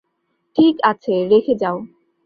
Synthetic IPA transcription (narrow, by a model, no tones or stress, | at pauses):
ʈʰikat͡ɕʰeɾekʰed͡ʑao